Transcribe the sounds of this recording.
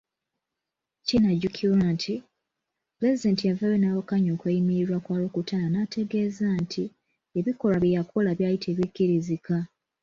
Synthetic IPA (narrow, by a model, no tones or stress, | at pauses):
cinaɟukʰiɾwantʰi | ple̞zide̞ːntijavaβenawokaɲo̞ːkwejimiɾiɾwakwaːlokutananatʰe̞ɡe̞ːzantʰi | eβiko̞laβjijakʰolaβjaːjitʰe̞ːβikːiɾizika